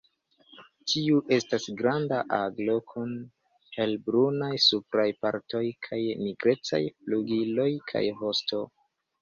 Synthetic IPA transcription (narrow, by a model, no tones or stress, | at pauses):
tʰiuʔe̞stasɡɾandaʔaɡlo̞kʰun | helbɾunajsupɾajpaɾto̞jkʰajmiɡɾe̞t͡sa̰jpluɡilo̞jkʰa̰jɦo̞sto̞